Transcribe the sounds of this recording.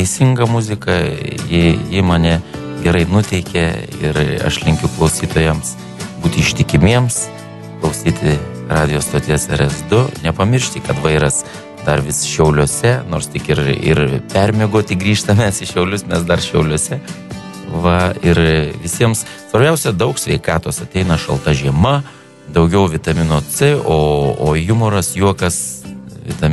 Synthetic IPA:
ɛɪsʲɪŋɡɐmʊzʲɪkɐjɪjɪmɐnʲɛ | ɡʲɛɾɐɪnʊt̪ʲɛɪkʲɛɪ̰ɾɐ̰ʃlʲɪŋʲkʲʊklˠɐʊsʲiːt̪oːjɛms | buːt̪ʲɪɪʃʲt̪ʲɪkʲɪmʲiɛms | klˠɐʊsʲiːt̪ʲɪ | rɑːdʲɪjoːst̪oːt̪ʲɪjɛsɛɾɛsd̪ʊnʲɛpɐmʲɪrʲʃʲt̪ʲikɐt̪ʋɐɪɾɐs | d̪ɐrʋʲɪsʃʲɛʊlʲuɔsʲɛnoːɾst̪ʲɪkɪɾɪ̰rpʲɛɾʲmʲiɛɡoːt̪ʲɪɡɾʲiːʃt̪ɐmʲɛsɪʃʲɛʊlʲʊsmʲɛsd̪ɐrʃʲɛʊlʲoɔsʲɛ | ʋɐɪɾʋʲɪsʲiɛms | sʋɐɾʲbʲɛʊsʲɛd̪ɐʊksʲʋʲɛɪkɑːt̪oːsɐt̪ʲɛɪnɐʃɐ̰lˠt̪ɐʒʲiɛmɐ | d̪ɐʊɡʲɛʊʋʲɪt̪ɐmʲɪnoːt͡sɪoːoːjʊmoːɾɐsjuɔkɐsʋʲɪ̰t̪ɐ

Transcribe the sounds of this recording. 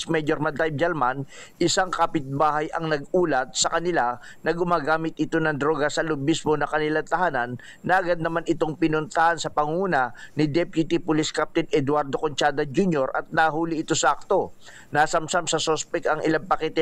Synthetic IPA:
smɛjoɾmɐnt̪ajb̚d͡ʒ̪ɛlman | ʔɪsaŋkapɪt̪̚baːhɐjɐŋnɐɡuːlɐt̪̚sɐkɐnɪla | nɐɡʊmaːɡaːmɪt̪̚ʔɪt̪o̞nɐŋd̪ɾo̞ːɡɐsɐlʊbismo̞nɐkɐnɪlant̪ɐhaːnanː | ɐʔɐɡad̪̚nɐmanɪt̪o̞ŋpɪnʊnt̪ɐhansɐpɐŋuːnɐnɪd̪ɛpjut̪ipʊliskap̚t̪ɪnɛd̪waɾd̪okont͡ʃaːd̪ɐd͡ʒunjoɾʔɐ̰t̪̚naːɦuːlɪɪt̪o̞sɐʔɐk̚t̪o̞ | naːsɐmsamsɐsospɛkɐŋʔɪlaŋpɐkɛt̪ɛ

